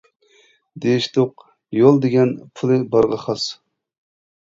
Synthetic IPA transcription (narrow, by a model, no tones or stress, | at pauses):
d̪eʃt̪oq̚ | jolˠd̪eɡʲɛnpʰulˠɨbɑɾʁɑχɑs